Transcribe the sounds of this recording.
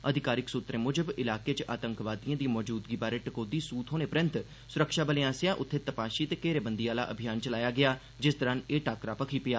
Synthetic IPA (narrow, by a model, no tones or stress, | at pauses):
əd̪ʱɪkaːɾɪksut̪ɾẽːmʊd͡ʒəbɪlaːkeːt͡ʃʔaːt̪əŋkʋaːd̪ijãːd̪ĩmɔːd͡ʒuːd̪ɡiːbaːɾeːʈəkoːd̪iːsuːt̪ɦoːneːpəɾə̃nt̪ | sʊɾəkʃaːbəleãːsɪjãːʔʊt̪ʰːeːt̪əpaːʃiːt̪eːkeːɾeːbənd̪iːaːla̰ːʔəbʱɪjaːnt͡ʃəlaːjaːɡɪaː | d͡ʒɪsd̪əɾaneːʈaːkɾaːpəkʰiːpɪjaː